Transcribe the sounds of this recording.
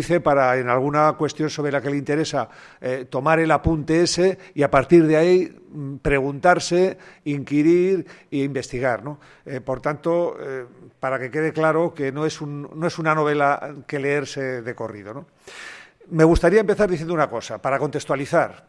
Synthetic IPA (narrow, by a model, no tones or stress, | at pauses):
iθe̞paɾaenalɣ̞unakwe̞st̪jo̞nso̞βɾelake̞leint̪e̞ɾe̞sa | et̪o̞maɾe̞lapunt̪e̞e̞se̞iapaɾt̪iɾðeai | pɾe̞ɣ̞unt̪aɾse̞iŋkiɾiɾiimbest̪iɣ̞aɾno̞ | po̞ɾt̪ant̪o̞ | paɾake̞ke̞ð̞e̞klaɾo̞ke̞noe̞sunnːoe̞sunano̞β̞e̞lake̞le̞eɾse̞ðe̞ko̞rið̞o̞no | me̞ɣust̪aɾiaempe̞θaɾðiθjend̪unako̞sapaɾako̞nt̪est̪waliθaɾ